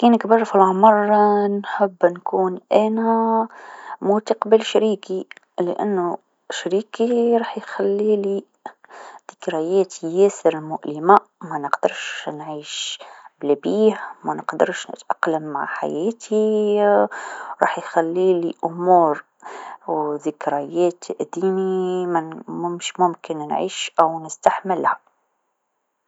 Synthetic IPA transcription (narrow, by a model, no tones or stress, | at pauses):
kiːnɪkbɑrˤfilʕʊmɑrˤnħəbːnkuːnʔæːnæ | mut̪aqbɪlʃɾiːki | lɪ̰ʔa̰nːu | ʃɾiːkiɾˤɑːħjxælːiːli | d̪̥ɪkɾɑjɛːt̪ʰijɛːsɪɾɪlmʊʔlɪmamænɪqd̪ɑɾʃnʕiːʃblɪbiːhmænəqd̪əɾʃnə̰t̪ʔɑqləmːa̰ʕħa̰jɛːt̪ʰi | ɾˤɑ̰ːħjxælːiliʔʊmuːɾ | wðɪkɾɑjɛːt̪ʰʔd̪iːmimæmʊmʃmʊmkɪnnʕḭːʃʔæwnɪst̪aħmɪlhæ